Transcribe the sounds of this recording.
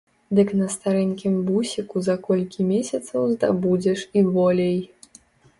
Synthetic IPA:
d̪ɨknɐst̪aɾɛnʲkʲimbusʲikuzɐkɔlʲkʲimʲesʲɐt̪sɐwzd̪a̰bud͡zʲɛʂibɔlʲej

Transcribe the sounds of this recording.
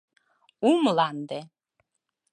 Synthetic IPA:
umlɑnd̪e

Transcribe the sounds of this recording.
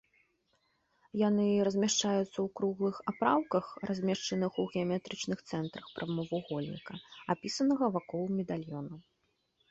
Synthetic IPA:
janɨɾɐzʲmʲaʂt͡ʂajut̪sːɐwkɾuɣlˠɨxapɾawkɐxrʔazʲmʲɛʂt͡ʂɐnɨxuɣʲɛamʲɛt̪ɾɨt͡ʂnɨxt̪sɛnt̪ɾɐxpɾɐmɐvuɣɔlʲnʲḭkɐapʲisɐnɐɣɐvakɔlˠumʲɛd̪alʲjɔnɐ

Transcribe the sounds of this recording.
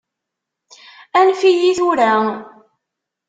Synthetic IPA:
ænfijiθʊɾæ

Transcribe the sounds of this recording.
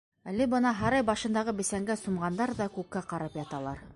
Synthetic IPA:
ælɘbɤnɑɦɑɾɑjbɑʃɤ̆nd̪ɑʁɤbɘ̆sæŋɡæsumʁɑnd̪ɑɾðɑkʉkːæqɑɾɑpjɑt̪ɑlˠɑɾ

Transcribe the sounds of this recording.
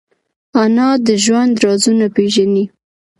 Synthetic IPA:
anɑd̪əʒwand̪ɾɑzunapeʒani

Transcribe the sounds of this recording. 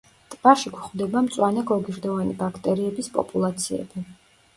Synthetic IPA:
t̪ʼb̥aɾʃiɡwχvd̪ɛbamt̪sʼwanɛɡɔɡiɾd̪ɔvanibakʰt̪ʼɛɾiɛbispʼɔ̰pʼulˠat̪sʰiɛ̰b̥i

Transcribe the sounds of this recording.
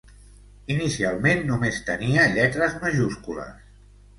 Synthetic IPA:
inisialˠmenːumest̪əniəʎɛt̪ɾəzməʒuskulə̰s

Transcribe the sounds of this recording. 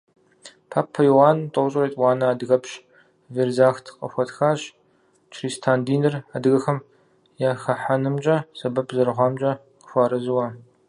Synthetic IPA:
pʰaːpʰːɐjwaːntʼɐwɕʼrɐtʼwaːnɐaːdɨɣɐpɕ | veːrzaːxtʰqʼɐ̰xʷɔtxaːɕ | t͡ʃʰriːstʰaːndiːnɨraːdɨɣɐxɐm | jaːxɐħanɨmt͡ʃʼɐsɐbɐpʰzɐrʁʷɑːmt͡ʃʼɐ | qəxʷɑːɾɨzɨwɐ

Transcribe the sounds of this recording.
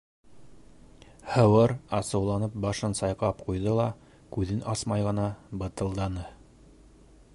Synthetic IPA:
hɤ̆wɤɾɑsɤ̆wlˠɑnɤp̚bɑʃɤnsɑjqɑp̚qujðɤlˠɑ | kʉðɘnɑsmɑjʁɤ̆nɑbɤ̆t̪ɤ̆lˠd̪ɑnɤ

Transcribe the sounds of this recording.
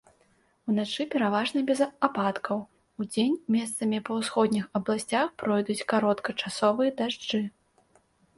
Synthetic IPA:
unat͡ʂɨpʲɛɾavaʐnɐbʲɛzapat̪kɐw | ud͡zʲenʲmʲɛst̪sɐmʲipɐwsxɔd̪ʲnʲixɐblˠasʲt͡sʲaxpɾɔjd̪ut͡sʲkaɾɔt̪kɐt͡ʂasɔvɨjɐd̪aʐd͡ʐɨ

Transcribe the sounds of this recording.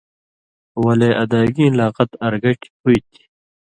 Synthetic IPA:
wɐleʔɐd̪aːɡĩlaːqɐt̪ɐɾɡɐʈʰi̥huit̪ʰi̥

